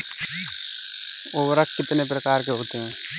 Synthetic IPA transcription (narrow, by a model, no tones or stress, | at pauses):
oːʋɾəkkɪt̪nepɾəkaːɾkeɦoːt̪eɦɛ̃ː